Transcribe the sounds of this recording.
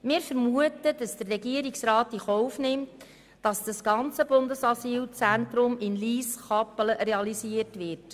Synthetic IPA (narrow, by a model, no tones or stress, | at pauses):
mɪːɾfəɾmuətəd̥ɑsd̥ərrɛɡiəɾiksrɑːt̚d̥iχɔʊfnɪmt | d̥ɑsd̥ɑsɡ̥ɑnt͡səbʊndəsɑsiːlt͡sæntɾʊmɪnliːsχɑpələreɑlisiəɾtʋɪrt